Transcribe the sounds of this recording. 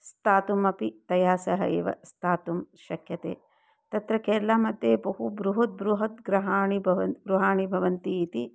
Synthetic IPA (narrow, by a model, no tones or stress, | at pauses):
st̪aːt̪umɐpit̪ɐjaːsɐɦɐ̰ḛːʋɐ̰st̪ʰaːt̪umʃɐkʰjɐt̪ḛː | t̪ɐt̪ɾɐkeːɾlaːmɐd̪ʱjeːbɐɦubɾuɦɐt̪̚bɾuɦɐt̪̚ɡɾɐɦaːɳibʱɐʋɐɡɾuɦaːɳibʱɐʋɐnt̪iːt̪i